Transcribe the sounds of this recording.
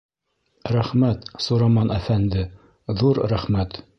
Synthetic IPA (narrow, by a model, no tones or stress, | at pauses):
ɾæχmæt̪suɾɑmɑnæfænd̪ɘ | ðuɾɾæχmæt̪